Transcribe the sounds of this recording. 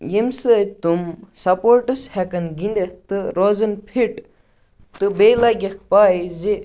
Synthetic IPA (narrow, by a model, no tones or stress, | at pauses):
jimsɨt̪umsɐpoːɾʈɨshɛkɐnɡind̪et̪ɨɾozɐnpʰiʈ | t̪ɨbelaɡʲɐk̚ʰpaːize